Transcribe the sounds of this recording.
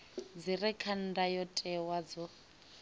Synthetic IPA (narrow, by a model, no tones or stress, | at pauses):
d͡zirɛkʰan̩dajɔtʼɛwad͡zɔ